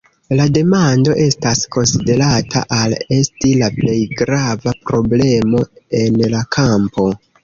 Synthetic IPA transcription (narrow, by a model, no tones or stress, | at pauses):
lade̞mando̞ʔe̞stasko̞nside̞ɾatʰa̰ʔale̞stilaple̞jɡɾavapɾo̞ble̞mo̞e̞nlakʰampo̞